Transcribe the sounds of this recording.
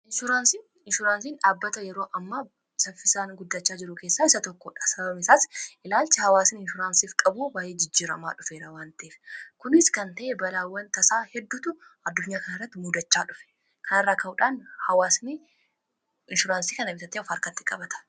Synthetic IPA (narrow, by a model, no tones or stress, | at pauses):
ʔɪnʃʊɾaːnsiːn | ɪnʃʊɾaːnsiːnᶑaːbːɐt̪ɐjɛɾoːʔɐmːaː | sɐfɪsaːnɡʊd̪ːɐt͡ʃːaːd͡ʒɪɾʊkeːsːaːɪsɐt̪ɔkːɔᶑḁsɐbɐmɪsaːsʔɪlaːlt͡ʃɪhɐwaːsɪnɪnʃʊɾaːnsiːfkʼɐbuːbaːʔeːd͡ʒɪd͡ʒːiːɾɐ̰ma̰ːᶑʊfeːɾɐwaːnt̪ɐeːfkʊnɪskɐnt̪ɐʔeːbɐlaːwːɐnt̪ɐsaːhɛd̪ːuːt̪ʊɐd̪ːʊɲːaːkɐnɐrːɐt̪ːɪmuːd̪ɐt͡ʃːaːᶑʊfɛ̥ | kʰɐnɐrːaːkɐʔʊᶑaːnhɐwaːsni | ʔɪnʃʊɾaːnsiːkɐnɐbɪt̪ɐt̪ːeːɔfɐɾkɐt̪ːɪ̥kʼɐbɐt̪ʰɐ̥